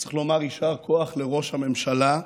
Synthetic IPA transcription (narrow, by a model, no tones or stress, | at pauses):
t͡si̥χlo̞maʁiʃaʁkʰoaχle̞ʁo̞ʃhame̞mʃala